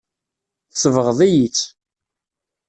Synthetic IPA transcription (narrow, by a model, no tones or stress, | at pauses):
θsəvəʁðˤijit͡sː